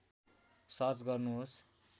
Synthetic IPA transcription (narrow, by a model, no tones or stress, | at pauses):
sʌt͡sɡʌrnuɦos